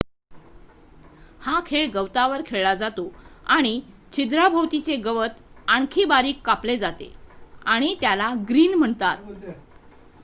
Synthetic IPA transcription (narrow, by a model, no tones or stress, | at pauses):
hakʰeɭɡəwt̪aʋəɾkʰeɭɭad͡zat̪oaɽ̃i | t͡ɕʰid̪ɾabʱəwt̪it͡seɡəʋət̪ | aɳkʰiːbaɾiːkːapled͡zat̪ḛaɽ̃it̪jalaɡɾiːnm̤əɳt̪at̪̚